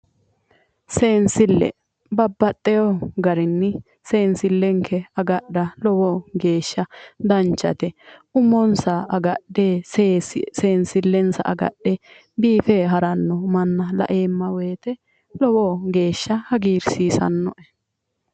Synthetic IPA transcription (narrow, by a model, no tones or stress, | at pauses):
seːnsɪlːɛ̰ | bɐbːɐtʼːɛjɔɡɐɾɪnːɪ | seːnsɪlːɛŋkʰːɛɐɡɐɗɐlɔwɔɡe̞ːʃːɐd̪ɐnt͡ʃːɐ̰t̪ɛʔʊmːɔnsɐɐɡɐɗeː | seːnsɪlːɛnsɐ̰ʔɐɡɐ̰ɗɛ | biːfɛɦɐɾɐnːɔmɐnːɐlɐ̰ʔeːmːɐweːt̪ɛ | lɔwɔɡe̞ːʃːɐhɐɡiːɾsiːsɐ̰nːɔʔɛ